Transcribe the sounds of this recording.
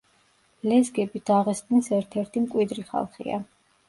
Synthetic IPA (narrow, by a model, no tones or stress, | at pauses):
lɛzɡɛbid̪̥aʁɛst̪ʼninsɛɾt̪ʰɛɾt̪ʰimkʼwid̪ɾiχa̰lˠχḭa̰